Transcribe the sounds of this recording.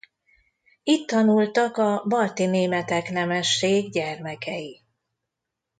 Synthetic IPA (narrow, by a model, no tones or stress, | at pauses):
it̪ːɒnult̪ɒkɒbɒrt̪ineːmɛt̪ɛknɛmɛʃːeːɡɟɛrmɛkʰɛji